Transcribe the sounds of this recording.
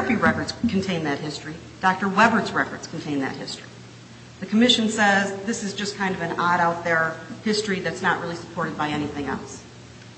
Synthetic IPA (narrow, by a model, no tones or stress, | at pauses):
fiɹɛkə˞dz̥kʰn̩tʰẽɪ̃nðɨt̚hɪstɹ̥i | d̥ɑk̚tə˞wɛbə˞tzɹɛkə˞dz̥kʰn̩tʰẽɪ̃nðɨ̰t̚hɪstɹ̥i | ðɨkʰəmɪʃɨ̃nsɛzðɪsɨzd͡ʒʌskʰãɪ̃ndʌvɨ̃nɑɾaʊt̪̚ðə˞hɪstɹ̥iðɨtsnəʔ̚ɹɪlˠisə̥pʰɔɹɾɨd̚baɪɛñiθɪ̃ŋɛ̰lˠs